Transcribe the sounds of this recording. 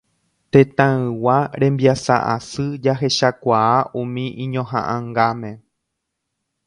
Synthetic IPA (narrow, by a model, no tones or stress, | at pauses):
t̪ẽt̪ãɨ̃waɾẽ̞mbjasa̰ʔasɨd͡ʒaɦe̞ʃakʷaaʔũmĩʔĩɲõɦã̰ʔãŋɡamẽ̞